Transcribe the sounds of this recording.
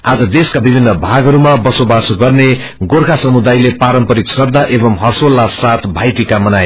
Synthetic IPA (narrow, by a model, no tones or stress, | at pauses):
ad͡zʌd̪eskabibʱinːʌbʱaɡʌɾumabʌsobasɡʌrne | ɡorkʰasʌmud̪ajlepaɾʌmpʌɾiksʌrd̪aʔebʌmɦʌrsolːasat̪bʱajʈikamʌnaj